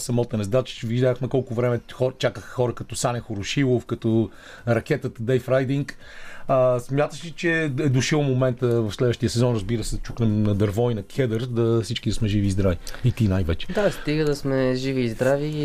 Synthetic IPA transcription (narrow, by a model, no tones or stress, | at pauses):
sɐmɔt̪ənɛzd̪at͡ʃɛ̥t͡ʃɛviʒd̪ʲaxmɛkɔlˠkʊvɾɛmɛxɔt͡ʃakəxxɔɾəkɐt̪ɔsanɛxʊɾʊʃivofkɐt̪ɔ | ɾɐk̟ɛt̪ət̪əd̪ɛjfɾajd̪iŋkəsmʲjat̪əʃɛt͡ʃɛɛd̪ʊʃilˠmomɛnt̪əvɐfslɛd̪vəʃt̪ijəsɛzɔnɾəzbiɾəsɛd̪ɐt͡ʃuknɛmnɐd̪ɐɾvɔinɐkʰʲɛd̪əɾd̪ɐfsit͡ʃkid̪ɐsmɛʒiviːzd̪ɾaviit̪inajvɛt͡ʃɛ̥d̪ast̪iɡəd̪ɐsmɛʒiviːzd̪ɾavi